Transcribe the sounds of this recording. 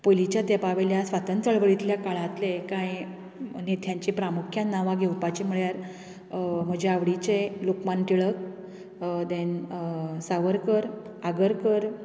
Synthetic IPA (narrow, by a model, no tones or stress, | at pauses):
polit͡ɕjad̪epaʋeljasʋat̪ənt̪əɭʋəɭit̪ljakaɭãt̪lekaj | nit̪ʰjãɲt͡ɕipɾamukʰjanːaʋaɡʱewpat͡ɕimuɭjaɾ | m̤əd͡ʑeaʋɽit͡ɕelokmanʈ̪iɭək̚ | d̪en | saʋəɾkəɾ | aɡəɾkəɾ